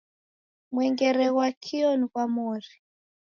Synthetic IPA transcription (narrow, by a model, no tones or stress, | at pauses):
mwɛŋɡɛɾɛɣwakʰiɔnikwamori